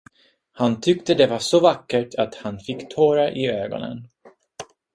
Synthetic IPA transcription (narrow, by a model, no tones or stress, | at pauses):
hant̪ʰʏkt̪əd̪ɛvaʂɔvakːəʈʰat̪hanfɪkːt̪ʰoːɾaʔɪøːɡɔ̰nə̰n